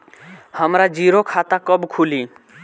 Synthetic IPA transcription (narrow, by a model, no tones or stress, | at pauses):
həmɾad͡ʒiɾokʰat̪akəbkʰuli